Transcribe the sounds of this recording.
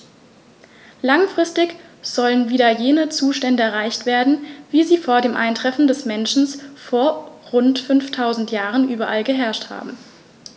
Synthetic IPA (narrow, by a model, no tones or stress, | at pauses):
laŋfʁ̥ɪstɪçz̥ɔlənviːdɐjeːnət͡suːʃtɛndəɛɐʁ̞aɪçtv̥eːɐdn̩viːziːfoːɐdeːmʔa̰ɪntʁ̥ɛfn̩dɛsmɛnʃn̩sfoːɐʁʊntfʏnftʰaʊzn̩tjaːʁənʔyːbɐʔalɡəɦɛɐʃtha̰ːbm̩